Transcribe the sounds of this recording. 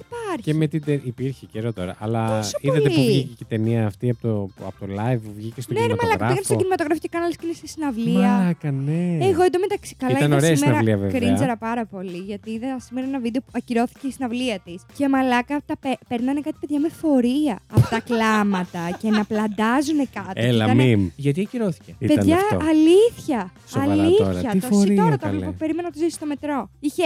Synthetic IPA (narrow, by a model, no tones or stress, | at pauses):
ipɐɾçemet̪id̪eʔipiɾçeceɾot̪o̞ɾɐ̰ʔɐlɐsoiðɐleuivvʝicecit̪eniɐːft̪iɐpot̪oɐ̰pot̪olɐjvuvʝicestonemɐmɐolɐkɣɾɐɾɐɣenɐscinimɐt̪oɣɾɐfocekɐnɐliscenist̪i̥sinɐvliɐɐkɐneeɣoend̪omet̪ɐksi̥kɐliɐt̪ɐnoesɐsimeɾɐliɐvekɾinzeɾɐpɐɾɐpo̞liʝɐt̪iðɐsimeɾɐenɐvid̪eopuɐciɾo̞θi̥ceisinɐvliɐt̪iscemɐlɐkɐt̪ɐpepeɾnɐnekɐt̪i̥peðʝɐme̞fo̞ɾiɐːpot̪ɐklɐmɐt̪ɐcenɐplɐnd̪ɐzune̞kɐt̪ieliɐ̰ɐmimʝɐt̪iɐciɾoθi̥ceḭpet̪ɐnʝɐ̰ːliθçɐsɐliçɐt̪ossiioɾɐt̪oɐvlopopeɾimenɐnɐt̪ozisi̥st̪o̞me̞t̪ɾo̞içe̞